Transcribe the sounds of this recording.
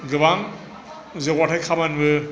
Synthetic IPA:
ɡɯbaŋ | zekwatʰajkʰabanbɯ

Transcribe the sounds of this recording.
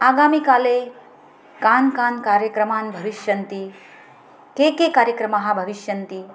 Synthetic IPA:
aːɡamikale | kaːnkaːnkaːɾjəkɾɐmaːnbʱɐʋiʃjɐnt̪i | kekekaːɾjəkɾɐmaɦabʱɐʋiʃjɐnt̪i

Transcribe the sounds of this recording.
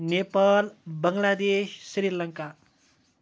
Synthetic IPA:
nepalbʌŋlad̪eʃsrilʌŋka

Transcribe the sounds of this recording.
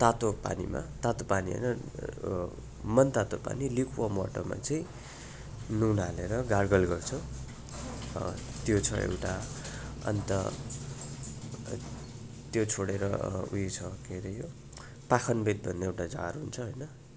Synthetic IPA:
t̪at̪opa̰nḭma̰t̪at̪opaniɦʌ̰jnʌ | mʌnt̪at̪opa̰nilikʰuwamaʈʌma̰t͡sʌĩ | nunaleɾʌɡarɡʌlɡʌrt͡sʰʌ | t̪jot͡sʰʌḛwʈa | ʌ̰nt̪ʌ̰ | t̪jot͡sʰoɽeɾʌṵjet͡sʰʌkeɾejo | pakʰʌnbet̪̚bʱʌnːeewʈad͡za̰ɾɦunt͡sʰʌɦojnʌ

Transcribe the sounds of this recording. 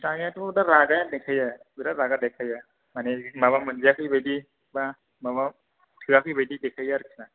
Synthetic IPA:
taŋatɔɯdaɾaɡajadekʰaja | bɯdaɾaɡadakʰaja | manemabamɯnzijakʰɯjbajdi | ba | maba | tʰɯakʰɯjbajdidekʰajaɾkʰina

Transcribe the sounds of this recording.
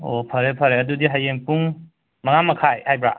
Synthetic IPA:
opʰɐɾepʰɐɾeɐdudiɦajeŋpuŋ | mɐŋamɐkʰajajbɾa̰

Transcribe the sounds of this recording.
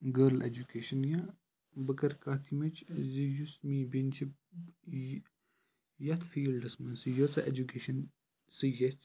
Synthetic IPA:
ɡəɾlʔḛd͡ʒukeːʃɐnja | bɐkɐɾkaːt̪ʰimɐt͡ʃzijusmibenʲt͡ʃʰib̚ | jɐt̪fiːlɖɐsmɐnsɨjot͡sɐʔed͡ʒukeːʃɐn | sɨjɐsʲtʲ

